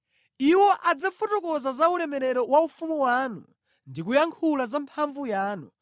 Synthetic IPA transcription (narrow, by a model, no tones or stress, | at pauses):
iwɔʔad͡zafutɔkɔzazauɾɛmɛɾɛɾɔwaufumuwaːnṵ | ndik̬ujaŋkʰulazampʰaɱvujaːnu